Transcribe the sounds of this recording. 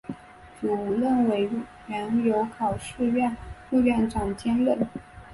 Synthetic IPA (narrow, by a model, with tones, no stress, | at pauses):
t͡su˨˩u˧˥lə˥˩nwe˧˥ɪ | ɥɛ˧˥njo˧˥ʊkʰɑ˨˩ʊʂɻ̩˥˧ɥɛ˥˧nmu˥˧ɥɛ˥˩nʈ͡ʂɑ˨˩ŋt͡ɕjɛ˥nlə˥˩n